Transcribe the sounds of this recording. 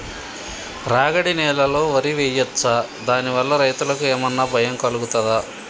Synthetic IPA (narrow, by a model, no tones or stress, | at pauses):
ɾaːɡɐɽinɛːlɐlo̞ːʋɐɾiʋeːjɐt͡ssaːd̪aːniʋɐlːɐɾɐjt̪ulɐkueːmɐnːaːbʱɐjɐmkɐluɡut̪ɐd̪aː